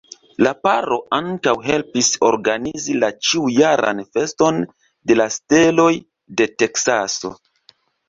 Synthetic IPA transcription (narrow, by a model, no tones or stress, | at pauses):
lapaɾo̞ʔaŋkawɦe̞lpiso̞̰ɾɡanizilat͡ʃiujaɾa̰nfe̞sto̞n | de̞laste̞lo̞j | de̞te̞ksaso̞̰